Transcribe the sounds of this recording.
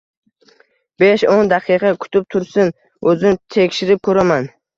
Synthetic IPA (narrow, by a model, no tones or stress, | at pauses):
beʃond̪aqʰɨqʰɑkʰʊ̥t̪ʰɪp̚t̪ʰʊɾsɪn | ɵzɪnt̪ʰekʲʃɪɾɪp̚kʰɵɾaman